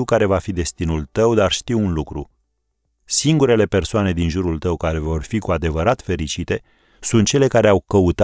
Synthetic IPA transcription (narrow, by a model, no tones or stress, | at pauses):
wkaɾe̞vafid̪e̞st̪inult̪əwd̪arʃt̪iwunlukɾṵ | siŋɡuɾe̞le̞pe̞rsoane̞d̪inʒuɾult̪əwkaɾe̞vo̞rfikuad̪e̞vəɾat̪fe̞ɾit͡ʃit̪e̞ | sunt̪̚t͡ʃe̞le̞kaɾeawkəut̪